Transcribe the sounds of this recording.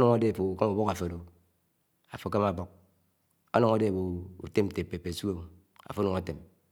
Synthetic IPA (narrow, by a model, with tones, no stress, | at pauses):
nɔ˨ŋa˦de˦˨fo˨u˨ka˦mu˨bo˦ka˨fe˨do˨ | a̰˨fo˨ka˦ma˨bo˦k̚ | o̰˦no˨ŋa˦de˦˨bo˨ṵ˨te˦m̩˨te˨pe˨pe˨su˦o˦˨ | a̰˨fo˦no˨ŋa˨te˨m